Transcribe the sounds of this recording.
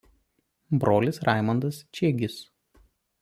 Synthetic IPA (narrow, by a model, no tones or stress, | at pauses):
bɾoːlʲɪsɾɑˑɪmɐnd̪ɐst͡ʃʲeːɡʲɪs